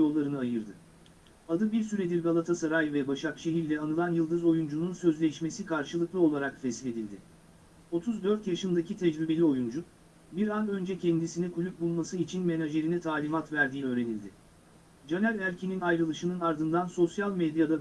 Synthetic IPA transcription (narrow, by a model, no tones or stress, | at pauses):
o̞lˠːaɾɯnɯajɯɾd̪ɯ | ad̪ɯbiɾsyɾed̪iɾɡalˠat̪ʰasaɾajvɛbaʃakʃe̞ɦiɾlʲɛanɯlˠanjɯlˠd̪ɯzo̞jund͡ʒununsø̞zlʲɛʃme̞sikʰaɾʃɯlˠɯklˠɯo̞lˠaɾakfɛslʲe̞d̪ilʲd̪ɪ | o̞t̪ʰuzd̪ø̞ɾt̪jaʃɯnd̪acit̪ʰɛd͡ʒɾibe̞lʲio̞jund͡ʒun | biɾanø̞nd͡ʒɛcʰɛnd̪isinɛkʰulʲyp̚bulˠmasɯit͡ʃʰinme̞naʒe̞ɾinɛt̪ʰaːlʲimat̪væɾd̪iːø̞ːɾe̞nilʲd̪ɪ | d͡ʒanælʲæɾʲcʰininajɾɯlˠɯʃɯnɯnaɾd̪ɯnd̪anso̞sjalʲmed̪jad̪a